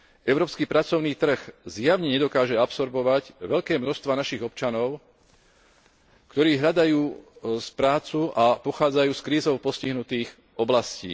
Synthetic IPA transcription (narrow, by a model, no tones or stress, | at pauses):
ɛʊɾɔːpskiːpɾat͡sɔʊniːt̪r̩ɣzjaʊɲɛɲɛd̪ɔkaːʒɛapsɔɾbɔʋaɟʋɛʎkɛːmnɔʃst̪ʋanaʃiɣɔpt͡ʃanɔʊ | kt̪ɔɾiːɦlʎad̪ajuːspɾaːt͡suʔapɔxaːd͡zajuːskɾiːzɔʊpɔsciɦnut̪iːɣ | ɔblascḭː